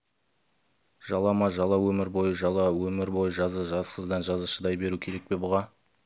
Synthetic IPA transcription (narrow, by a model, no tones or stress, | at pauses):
ʒ̥ɑlˠɑmɑʒɑlˠɑwɵmɪɾbo̞jəʒɑlˠɑwɵmɪɾbo̞jəʒɑzəʒɑsqʰəzd̪ɑnʒɑzəʃəd̪ɑjbe̞ɾukʲʰe̞ɾe̞k̚pe̞bʊʁɑ